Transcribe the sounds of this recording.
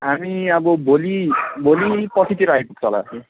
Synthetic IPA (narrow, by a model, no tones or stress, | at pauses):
ɦamiʌbʌbʱolibʱolipʌt͡sʰit̪iɾajpuk̚t͡sʰʌla̰